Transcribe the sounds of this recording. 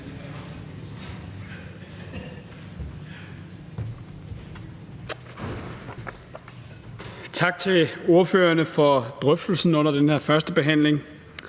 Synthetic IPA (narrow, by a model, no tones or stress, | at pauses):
t͡sʰɑ̈ɡ̥̚t͡sʰe̝lo̝ɐføːɐnəfɒ̽d̥ʁœfd̥l̩sn̩ɔ̽n̰ɐd̥enhæɐfɶɐsd̥əb̥e̝ɦæn̰le̝ŋ